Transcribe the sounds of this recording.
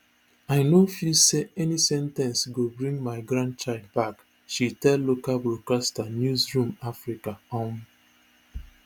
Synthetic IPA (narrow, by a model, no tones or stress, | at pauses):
aɪnofiseɛnisɛ̃ntɛ̃nsɡobɹĩŋɡmaɪɡɹãnd̚t͡ʃaɪld̚bak | ʃitɛlːokalbɹokastanjuzɹũmafɹikaɔ̃m